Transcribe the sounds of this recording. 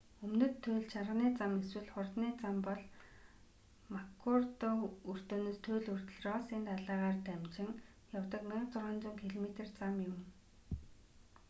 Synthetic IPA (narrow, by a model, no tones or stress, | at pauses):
ɵmnɵ̆t̪ʰːʊjɮt͡ɕʰarʁniːt͡sameswɘ̆ɮχʊrt̪niːt͡sampɔɮ | makʰurt̪ɔɵr̥t̪oːnoːst̪ʰʊːɮɵr̥t̪ɵ̆ɮrɔːsiːnt̪aɮaːʁaːrt̪æmt͡ɕɪ̆ŋ | jawt̪ə̆knaqt͡sʊrʁə̆ːnt͡sʊːŋkʰiɮmet̪ĕrt͡samjʊm